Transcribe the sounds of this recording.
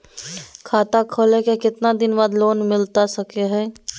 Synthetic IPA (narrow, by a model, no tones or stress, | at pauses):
kʰaːt̪akʰoːlẽkekɪt̪nad̪ɪnbaːd̪loːnmɪlt̪asɐkeɦɛ̃ː